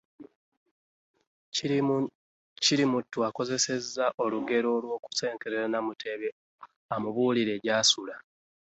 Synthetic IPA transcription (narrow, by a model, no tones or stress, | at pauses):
ciɾimutːuako̞ze̞se̞zːaʔo̞luɡe̞ɾo̞ːlwo̞ːku̥se̞ːŋkeɾeɾanamutʰe̞βe | amuβuːliɾe̞ːɟaːsula